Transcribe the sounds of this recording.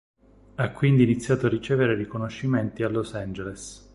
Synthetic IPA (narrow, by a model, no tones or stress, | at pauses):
akːwind̪iːnit̪sːjaːt̪oarːit͡ʃɛːveɾerikonoʃːiment̪ialːosand͡ʒeles